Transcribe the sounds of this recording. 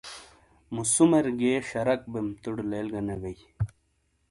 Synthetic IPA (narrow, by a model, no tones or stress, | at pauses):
musumeɾɡeːɕɐɾɐk̚bemt̪uɽlelɡɐnɐɡɐj